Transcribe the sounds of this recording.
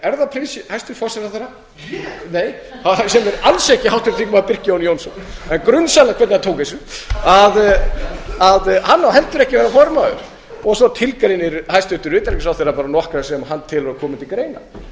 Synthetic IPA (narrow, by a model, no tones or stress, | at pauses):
ɛɾðapʰɾisɪhajst̪ʏɾfɔsɛɾaθejɾa | neːj | hasɛmvɛɾalsɛhcɪhawht̪ʏɾt̪ʰiŋkʏmaðpɪr̥cɪjoːwnjoːwnsɔnɛnkɾʏnsalakʰvɛt̪nat̪ʰoːwkesʏað | aðhanːawhɛlt̪ʏɾɛhcɪvɛɾafɔɾmaːðʏ̰ɾ̥ | ɔɣsɔt̪ʰɪlkɾejnɪɾhajst̪ʏht̪ʏɾvɪːt̪alɛcɪsawθejɾapaːɾanɔhkɾasɛmaɦanːt̪ʰɪlvaɾkʰɔːmɪnt̪ɪlkɾeːjna̰